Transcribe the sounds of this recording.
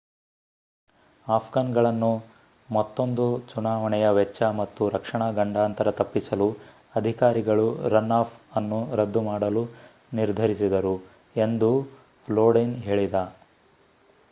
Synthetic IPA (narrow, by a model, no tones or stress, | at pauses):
aːpʰɡaːnɡɐɭɐnːu | mɐt̪ːo̞nd̪ut͡ʃunaːʋɐɳɛjɐʋɛt͡ʃːɐmɐt̪ːuɾɐkʂɐɳaɡɐɳɖaːnt̪ɐɾɐt̪ɐpːisɐlu | ɐd̪ʱikaːɾiɡɐɭuɾɐnːaːpʰɐnːuɾɐd̪ːumaːɽɐlu | niɾd̪ʱɐɾisid̪ɐɾu | e̞nd̪u | loːɖinɦe̞ːɭid̪ɐ